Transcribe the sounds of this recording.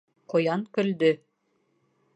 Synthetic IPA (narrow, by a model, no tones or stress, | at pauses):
qŏjɑŋkɵ̆ld̪ɵ